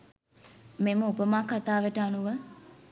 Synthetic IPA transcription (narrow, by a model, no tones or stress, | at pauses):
meməupəmaːkat̪aːʋeʈaːnuʋə